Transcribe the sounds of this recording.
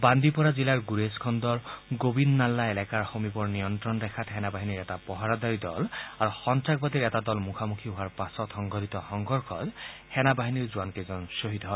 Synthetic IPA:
band̪ipɔɹazilaɹɡuɹeskʰɔndɔɹɡobinːalːaɛlɛkaɹxomibɔɹnijɔntɹɔndɛkʰatxɛnabaɦiniɹɛtapɔɦaɹɔdaɹidɔ̰laɹuxɔntɹak̚batiɹɛtadɔlmukʰamukʰiɦoaɹpasɔtxɔŋɡɔditɔxɔŋɡɔɹkʰɔ̰thɛnabaɦiniɹzuwankezɔnsoɦit̪ɔɦɔj

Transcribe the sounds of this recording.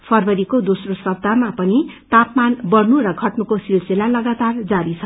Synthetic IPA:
pʰʌrbʌɾikod̪osrosʌb̚d̪amapʌnit̪apmanbʌrnuɾʌɡʱʌʈnukosilselalʌɡat̪ard͡zaɾit͡sʰʌ

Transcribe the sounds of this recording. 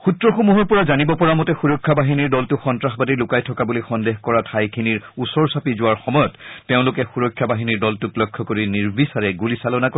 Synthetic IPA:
xutɹɔxumuɦɔɹpɔɹazanibɔpɔɹamɔtɛxuɹɔkʰːabaɦiniɹdɔltʊxɔntɹaxbadilʊkajtʰɔkabulixɔndexkɔɹatʰajkʰiniɹusɔɹsapizʊwaɹxɔmɔjɔtːeʊ̃lʊkɛxuɹɔkʰːjabaɦiniɹdɔltʊklɔjkʰːɔkoɹiniɹbisaɹɛɡulisalɔnako

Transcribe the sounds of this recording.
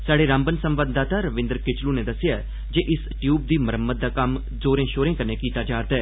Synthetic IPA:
saːɽeːɾãːmbənsə̃mʋəd̪d̪aːt̪aːɾəʋɪ̃nd̪əɾkɪt͡ʃluned̪ɐsɪjaː | d͡ʒeːʔɪsʈjuːb̚d̪iːməɾəmːət̪̚d̪aːkɐm | zoːɾẽːʃoːɾẽːkəneːkiːt̪ad͡ʒaːɾt̪ɛː

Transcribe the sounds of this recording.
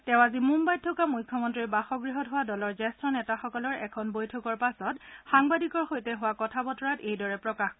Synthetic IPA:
tɛʊ̃azimumbaj̚tʰɔkamujkʰːɔmɔntɹibaxɔɡɹiɦɔtɦʊwadɔlɔɹzɛstɹɔnɛtaxɔkɔlɔɹɛ̰kʰɔnbojtʰɔkɔɹpasɔtxaŋbadikɔɹxojtɛɦʊwakɔtʰabɔtɔɹatejdɔɹɛpɹɔkax

